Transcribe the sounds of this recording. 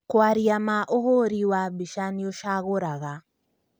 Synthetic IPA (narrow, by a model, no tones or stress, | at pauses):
kwaɾiamaʔohoɾiwabiʃanioʃaɣoɾaɣa